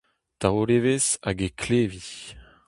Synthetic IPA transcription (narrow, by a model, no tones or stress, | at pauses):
t̪aʁolevezaɡekʰleːvi